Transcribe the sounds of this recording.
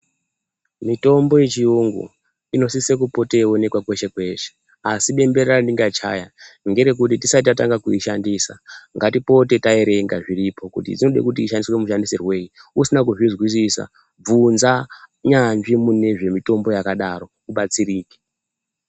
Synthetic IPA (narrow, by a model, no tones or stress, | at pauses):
mito̞mbo̞jet͡ʃiuŋɡṵ | ino̞sisek̬upo̞teo̞ne̞kwakwe̞ʃe̞kwe̞ʃe̥ | asiɓe̞mbe̞reandiŋɡat͡ʃa̰jaŋɡe̞ɾe̞k̬ut̬itisatiataŋɡakuiʃandisa̰ŋɡatipo̞te̞tae̞ɾe̞ŋɡaʐiɾipʰo̞kṵtḭd͡zino̞ɗḛkut̬iːʃandiswe̞muʃandisirwe̞iusinak̬uʐizwis̬isa̰ | b͡vunzaɲanʐimune̞ʐe̞mito̞mbo̞jakaɗaɾo̞ | uɓat͡siɾiːke̥